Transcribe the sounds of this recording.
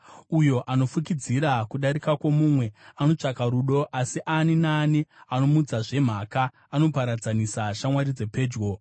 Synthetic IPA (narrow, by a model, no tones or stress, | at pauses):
ujo̞ʔano̞fukid͡ziɾakuɗaɾikakwomumwe̞ano̞t͡ʂakaɾuɗo̞ʔasiʔaninaːniano̞mud͡zaʐe̞m̤akaː | no̞paɾad͡zanisaʃamwaɾid͡ze̞pe̞ːd͡ʒɡo̞